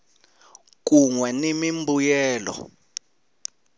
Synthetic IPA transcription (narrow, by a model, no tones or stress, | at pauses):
k̬uŋwɛnimimbujɛːlɔ̰